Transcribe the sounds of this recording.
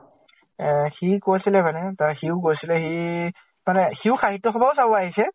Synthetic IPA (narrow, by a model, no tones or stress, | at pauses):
ɛxikosilɛmanɛtaxiʊkosilɛxi | manɛxiʊxaɦitːɔxɔbaʊs̬abɔaɦisɛ